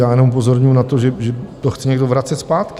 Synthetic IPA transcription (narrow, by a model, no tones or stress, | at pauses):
jaːjɛnomupo̞zo̞ɾɲujunat̪oʒɛʒɛt̪oxt͡sɪɲɛɡdovɾat͡sɛt̪spaːt̪kɪ